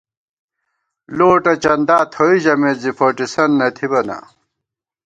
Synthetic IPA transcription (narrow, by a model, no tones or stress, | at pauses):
loːʈɐt͡ɕɐnd̪aːt̪ʰoiʑɐmezifoʈisɐnːɐt̪ʰibɐnɐ̰